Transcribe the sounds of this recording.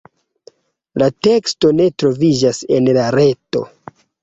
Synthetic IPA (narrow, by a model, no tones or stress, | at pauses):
late̞ksto̞ne̞tɾo̞vid͡ʒase̞nlaɾe̞to̞̰